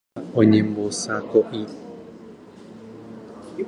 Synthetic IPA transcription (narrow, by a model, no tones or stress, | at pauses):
oɲembosakoʔi